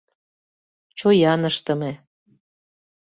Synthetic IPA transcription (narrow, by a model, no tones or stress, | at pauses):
t͡ɕojɑnəʃt̪əme